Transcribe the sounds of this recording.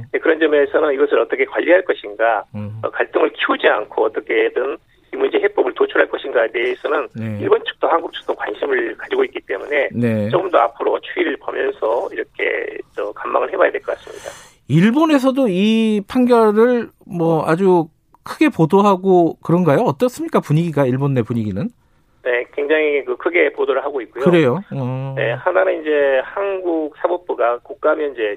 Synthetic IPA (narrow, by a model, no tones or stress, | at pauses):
nekɯɾʌnd͡ʑʌmesʰʌnɯniɡʌsʰɯɾʌt͈ʌkʰe̞kwaʎːiɦaɭk͈ʌɕʰinɡaʌ̰kaɭt͈ɯŋɯɭkʰiud͡ʑia̰nkʰoʌt͈ʌkʰe̞dɯn | imund͡ʑeɦep͈obɯɭtot͡ɕʰuɾɦaɭk͈ʌɕʰinɡaede̞ːsʰʌnɯniɭbont͡ɕʰɯ̥k̚t͈ohanɡuk̚t͡ɕʰɯ̥k̚t͈okwa̰nɕʰimɯɭkad͡ʑiɡoit̚k͈it͈e̞̰mune̞ne̞t͡ɕoɡɯmdoa̰pʰɯɾo̰t͡ɕʰuiɾɯɭpo̰mjʌ̰nsʰʌiɾʌkʰe̞̰t͡ɕʌkamːa̰ŋɯɭhe̞bajadwe̞ɭkʌk͈as͈ɯ̥mɲida | iɭbone̞s̬ʰʌdoipʰaŋɡjʌɾɯɭmwʌad͡ʑu | kʰɯɡe̞podoɦaɡokɯɾʌnɡajoʌt͈ʌs͈ɯmɲik͈apuɲiɡiɡaiɭbonːe̞puɲiɡinɯn | ne̞kwe̞ŋd͡ʑaŋikɯkʰɯɡe̞podoɾɯɭɦaɡoik͈ujkoɯɾe̞joʌne̞̰hananɯnind͡ʑe̞hanɡuk̚sʰabop̚p͈uɡakuk̚k͈aɦmjʌnid͡ʑe̞